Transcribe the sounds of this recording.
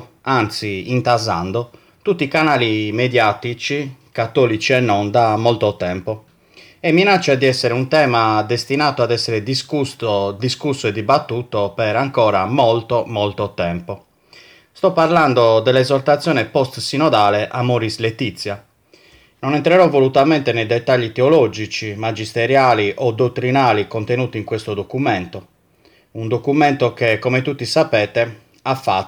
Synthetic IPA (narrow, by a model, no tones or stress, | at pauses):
ant̪siint̪azand̪o | t̪ut̪ːiːkanaːlimed̪jaːt̪it͡ʃikat̪ːɔːlit͡ʃiɛnːɔnd̪amːɔlt̪ot̪ɛmpo | ɛmːinat͡ʃːad̪iɛsːɛɾeunt̪ɛːmad̪est̪inaːt̪oad̪ɛsːɛɾed̪iskust̪d̪iskusːoɛd̪ːibat̪ːuːt̪opɛɾaŋkɔːɾamɔlt̪omɔlt̪ot̪ɛmpo | st̪ɔpːarland̪od̪ɛlːɛzɔrt̪at̪sjɔːnɛpɔst̪sinɔd̪aːlɛʔamoɾislet̪it̪sːja | nonɛnt̪ɾɛɾɔvolut̪amɛnt̪enejd̪ɛt̪ːaʎːit̪eolɔd͡ʒit͡ʃimad͡ʒist̪eɾjaːliʔɔd̪ot̪ːɾinaːlikont̪enuːt̪iŋkwest̪od̪okumɛnt̪o | und̪okumɛnt̪okekːomet̪ut̪ːisapɛːt̪e | afːa